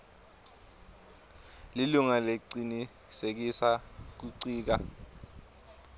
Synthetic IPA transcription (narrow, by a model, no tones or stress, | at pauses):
liluŋaleǀini | sek̬isak̬uǀiːk̬a̰